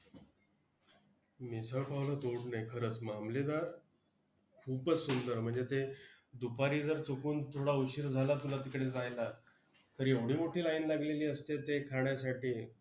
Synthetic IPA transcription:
misapaʋlət̪oɽnajkʰəɾət͡smamled̪a | kʰuːpət͡sːund̪əɾm̤əɳd͡zet̪e | d̪upaɾiːd͡zəɾt͡sokuːnt̪ʰoɽauɕiːɾd͡zʱalat̪ulat̪ikɽed͡zajla | t̪əɾjeʋɽiːmoʈʰiːlainlaɡleliːəst̪et̪ekʰaɳjasaʈiː

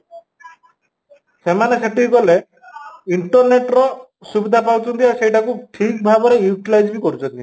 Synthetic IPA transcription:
semaneseʈikɔle | iɳʈɔɾneʈɾɔ | subid̪ʱapawt͡ʃʰɔnt̪iasejʈakuʈʰik̚bʱabɔɾejuʈilajd͡ʒbikɔɾut͡ʃʰɔnt̪i

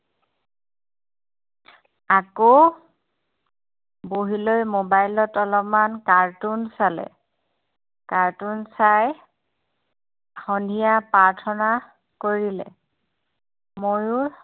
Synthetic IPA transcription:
ako | boɦilojmobajlɔtɔlɔpmankaɹtunsalɛ̰ | kaɹtunsaj | xɔndʱijapaɹtʰɔna | koɹilɛ̰ | mojʊɹ

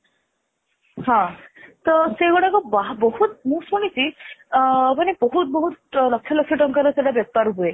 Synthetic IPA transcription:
hɔ̃t̪ɔseɡɔɽakɔbaɦbɔɦut̪̚mũsuñisi | panibɔɦut̪̚bɔɦut̪̚lɔkʰːjɔlɔkʰjɔʈɔŋkaɾɔseʈabjɔb̚t̪aɾɦue

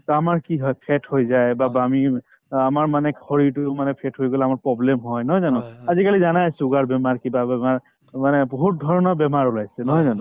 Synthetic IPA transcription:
t̪amaɹkiɦɔjpʰɛthojzajbabami | amaɹmanɛkhɔɹitumanɛpʰɛtɦojɡɔlɛamaɹpɹɔblemɦɔjnɔɦɔjzanʊ̃azikalizanajsuɡaɹbɛmaɹkibabɛmaɹ | manɛbɔɦut̚dʱɔɹɔnɔbɛmaɹɔlajsɛnɔɦɔjzanʊ̃

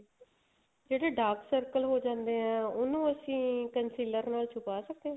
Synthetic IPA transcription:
d͡ʒeːɽeːɖaːksəɾkəlɦoːd͡ʒãːnd̪eːɦɛ̃ːʊnũːəsĩːkənsiːləɾnaːlt͡ʃʰʊpaːsək̚d̪eɛ̃

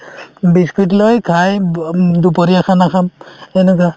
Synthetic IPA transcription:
biskit̬lojkʰajdupɔɾiakʰanakʰamɛnɛk̬a

